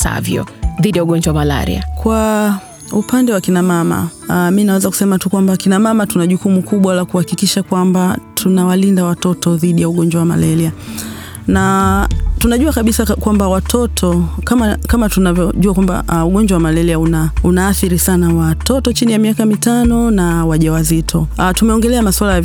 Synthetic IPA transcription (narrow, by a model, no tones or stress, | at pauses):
sa̰vjɔ̰ðiɗijauɠɔɲd͡ʒwawamala̰ɾḭa̰kwa | upandɛwakinamama̰minawɛzaku̥sɛmatukwambakinamamatunaʄukumukuɓwalakuhakikiʃakwambatʰunawalindawatɔtɔðiɗijauɠɔɲd͡ʒwawama̰lɛlia | na | tunaʄuakaɓisakwambawatʰɔtʰɔkamakamatunavjɔʄuakwamba̰uɠɔɲd͡ʒwawamalɛliaunaunaːθiɾisanawatɔtɔt͡ʃinijamiakamitanɔnawaʄawazitʰɔtumɛɔŋɡɛlɛamaswalaj